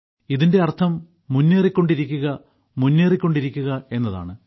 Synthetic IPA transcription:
iðinde̞ɐrt̪ʰɐmː | unːeːrikʲːo̞ɳɖiɾikʲːuɣɐ | munːeːrikʲːo̞ɳɖiɾikʲːuɣɐe̞nːɐða̰ːɳɨ

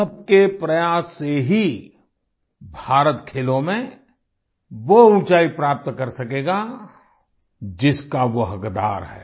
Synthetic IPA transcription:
ɐb̚kepɾɐjaːsːeɦi | bʱaːɾət̪kʰeːlõmẽ | ʋouːt͡ʃaːipɾaːp̚t̪kɐɾsɐkeːɡa | d͡ʒɪskaʋoɦɐkd̪a̰ːɾɦɛ̰ː

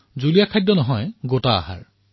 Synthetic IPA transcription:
zulijakʰajdːɔnɔɦɔjɡotaːha̰ɹ

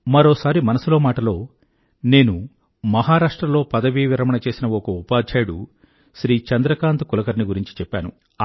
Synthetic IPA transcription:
mɐɾoːsaːɾimɐnɐsulo̞ːmaːʈɐlo̞ː | ne̞ːnu | mɐɦaːɾaːʂʈɾɐlo̞ːpɐd̪ɐʋiːʋiɾɐmɐɳɐt͡ʃe̞ːsinɐɔkɐupaːd̪d͡ʒejɽu | ʃɾiːt͡ʃɐnd̪ɾɐkaːnt̪ukulɐkɐɾniɡuɾiɲt͡ʃi̥t͡ʃɛpːaːnu

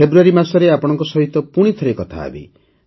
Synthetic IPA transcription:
ebɾuaɾimaɾsɔɾeapɔɽ̃ɔ̃ŋkɔsɔɦit̪ːɔpuɽ̃it̪ʰɔɾekɔt̪ʰa̰ːbḭ

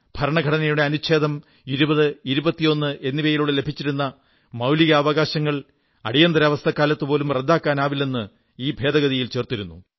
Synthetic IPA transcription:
b̥ʱɐɾɐɳɐɡʱɐɽɐnɐjuɽe̞ɐnuɕʰe̞ːd̪ɐm | iɾubɐðɨiɾubɐt̪ːijo̞nːɨʔe̞nːiʋɐjiluɽele̞bʱit͡ɕːiɾunːɐ | mɐwliɣɐːʋɐɣaːɕɐŋːɐɭ | ɐɽijɐnd̪ɐɾɐʋɐst̪ʰɐkːaːlɐt̪ːɨpo̞ːlumred̪ːaːkːaːnaːʋilːe̞nːɨ | iːbʱe̞ːd̪ɐɣɐðijilt͡ɕe̞ːrt̪iɾunːu

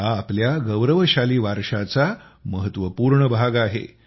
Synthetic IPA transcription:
aːpljaɡəwɾəʋəɕaliːʋaɾʂat͡sa | məɦət̪ʋəpuːɾɳəbʱaɡaɦḛ

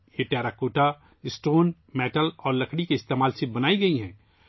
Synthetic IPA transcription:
jeʈɛːɾakoːʈa | ɪsʈoːn | mɛːʈəlɔːɾlɐkʰɽikeɪst̪eːmaːlsebɐnaːiɡɐiɦɛ̃ː

